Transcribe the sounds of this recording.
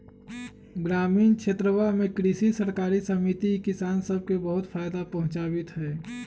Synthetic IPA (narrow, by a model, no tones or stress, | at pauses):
ɡɾaːmiːnkʃʰeːt̪ɾəwamẽkɾisisəɾkaːɾisəmit̪ikɪsaːnsəb̚kebəɦʊt̪fʰaːjd̪apɐɦʊ̃t͡ʃaːbɪt̪ɦɛː